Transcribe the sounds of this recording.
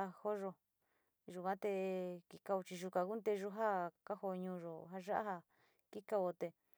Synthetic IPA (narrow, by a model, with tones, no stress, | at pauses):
a˧ho˦ʒo˧ | ʒu˧˨kʷã˦t̪e˧ki˧ka˧o˧t͡ʃi˧ʒu˧kã˨ku˦nt̪e˧ʒu˧ɦa˦ka˦ho˧ɲũ˧ʒo˨ɦa˧ʒa˦ʔa̰˦ha˧ | ki˦ka˧o˧t̪e˧